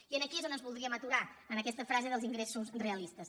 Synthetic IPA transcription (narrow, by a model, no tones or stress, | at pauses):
iənəkiezonənzβulˠd̪ɾiəmət̪uɾaənəkɛst̪əfɾazeðəlˠziŋɡɾesusonreəlist̪əs